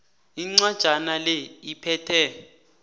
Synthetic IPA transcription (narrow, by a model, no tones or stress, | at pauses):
iŋ͡ǀad̥ʒ̥ʱanalɛipʰɛːtʰɛ